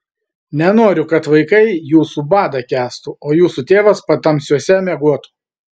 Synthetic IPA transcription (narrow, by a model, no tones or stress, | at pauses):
nʲɛnoːɾʲʊkɐt̪ʋɐɪkɐɪjuːsuːbɑːd̪ɐkʲæːst̪uoːjuːsut̪ʲeːʋɐspɐt̪ɐmʲsʲuɔsʲɛmʲɛɡuɔt̪u̥